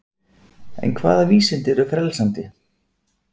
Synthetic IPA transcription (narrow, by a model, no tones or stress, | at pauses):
ɛ̰nkʰva̰ːðaviːsɪnt̪ɪɾʏfɾɛlsant̪ɪ